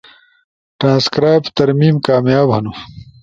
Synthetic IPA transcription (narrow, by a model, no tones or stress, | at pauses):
ʈɾãːnskɾaːjpt̪ɐɾmiːmkaːmjaːbɦɐnu